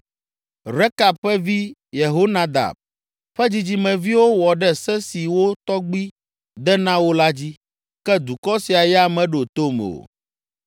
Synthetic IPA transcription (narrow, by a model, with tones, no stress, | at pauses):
ɾe˦ka˨b̚ɸɛ˦vi˦je˨ɦo˦nã˦d̪a̰˨b̚ | ɸɛ˦d͡ʑi˦d͡ʑi˦mɛ̃˨vi˦wo˦wɔ˨ɖɛ˦sɛ˦si˨wo˦t̪ɔ˦ɡ͡bi˦ | d̪ɛ˦nã˦wo˦la˦d͡ʑi˦ | kɛ˦d̪u˨kɔ˦si˨a˨jɛ˦a˨mɛ̃˨ɖo˨t̪o˦mo̰˨